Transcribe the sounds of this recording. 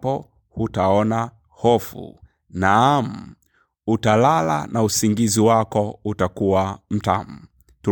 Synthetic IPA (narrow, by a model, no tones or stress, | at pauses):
pɔ | hutaɔna | hɔfṵ | nam̩ | utalala̰nausiŋɡiziwakɔutakuwam̩tam̩ | tu